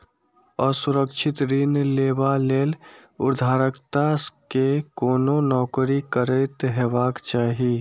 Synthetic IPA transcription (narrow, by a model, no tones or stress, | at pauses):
əsʊɾəkt͡ʃʰɪt̪ɾinleːbaleːlʊ̰ɾd̪ʱaːɾəkt̪askekoːnonɔːkɾikəɾəɪt̪ɦeːbaːkt͡ʃaːɦi